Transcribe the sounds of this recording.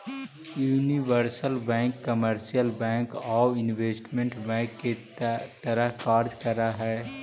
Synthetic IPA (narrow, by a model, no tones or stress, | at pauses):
juːniʋəɾsəlbɛ̃ːŋkːəməɾsijəlbɛ̃ːŋkɔːɪnʋeːsʈmẽɳʈbɛ̃ːkːe | t̪əɾəɦkaːɾd͡ʒkəɾaɦɛː